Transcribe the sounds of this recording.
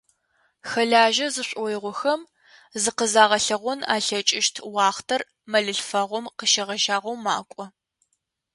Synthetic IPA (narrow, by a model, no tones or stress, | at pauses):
xɐɮaːʒɐzɨɕʷʼɔjɪʁʷɔxɐm | zɨqəzaːʁɐɬɐʁʷɔna̰ːɬɐt͡ʃʼɪʃtʰwɑːχtʰɐr | mɐɮɨɬfɐʁʷɔmqəʃɐʁɐʒaːʁʷɐwmaːkʷʼɔ